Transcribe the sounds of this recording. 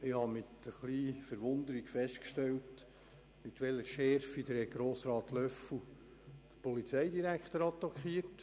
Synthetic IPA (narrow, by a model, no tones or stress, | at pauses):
ɪhɑmɪt̪əχliːfəɾʋʊnd̪əɾiɡfɛstkʃtɛlt | mɪt̪ʋɛləʃɛɾfid̪əɾɛɡ̥ɾoːsɾɑːt̪lœfu | d̥əpɔlit͡sɛɪd̪iɾækχt̪əɾɑt̪ːɑkχiːərt